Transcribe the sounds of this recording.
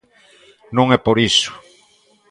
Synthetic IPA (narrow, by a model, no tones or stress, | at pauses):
nõŋɛpoɾisʊ̥